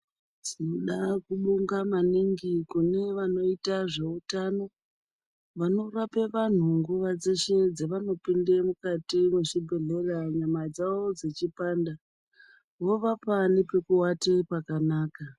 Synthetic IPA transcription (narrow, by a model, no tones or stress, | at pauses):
d͡zino̞ɗakuɓuŋɡamaniŋɡikune̞ʋano̞itaʐe̞utano̞ | ʋano̞rape̞ʋan̤uŋɡuʋad͡ze̞ʃe̞d͡zeʋano̞pindemukatimweʃibʱe̞ɮe̞raɲamad͡zawo̞d͡zet͡ʃipaːnda | wo̞ʋapanipe̞kuwatepakanaːka